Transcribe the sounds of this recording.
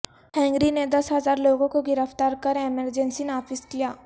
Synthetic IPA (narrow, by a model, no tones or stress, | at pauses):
hɛ̃ːŋɡɾined̪ɐsɦɐzaːɾloːɡõkoɡɪɾəft̪aːɾkɐɾeməɾd͡ʒə̃nsinaːfɪskijaː